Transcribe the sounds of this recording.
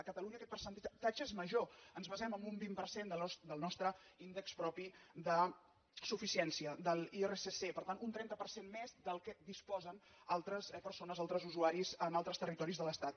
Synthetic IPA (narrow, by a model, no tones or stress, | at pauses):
əkət̪əluɲəkɛt̪̚pərsənt̪t̪ad͡ʒəezməʒoənzβəzɛməmbumbimpərsend̪əsd̪əlˠnɔst̪ɾəind̪əkspɾɔpid̪ə | sufisiɛnsiəd̪əlˠieresesepəɾt̪anunt̪ɾɛnt̪əpəɾsenmezd̪əlˠkɛd̪ispɔzən | alˠt̪ɾəspərsonəzalˠt̪ɾəzuzuaɾizənalˠt̪ɾəst̪ərit̪ɔɾizðələst̪at̪̚